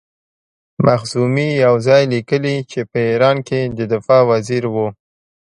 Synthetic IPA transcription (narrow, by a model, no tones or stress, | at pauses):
maxzumijawzɑjlikəlit͡ʃepəiɾɑnked̪əd̪ɪfɑwaziɾwu